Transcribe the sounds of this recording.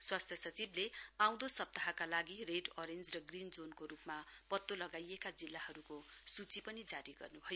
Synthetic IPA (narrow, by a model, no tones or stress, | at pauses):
swast̪ʰjʌsʌt͡sibleãw̃d̪osʌp̚t̪aɦakalaɡireɖʌɾend͡zrʌɡrind͡zonkoɾupmapʌt̪ːolʌɡajekad͡zilːahʌɾukosut͡sipʌnid͡zaɾiɡʌ̰rnubʱʌjo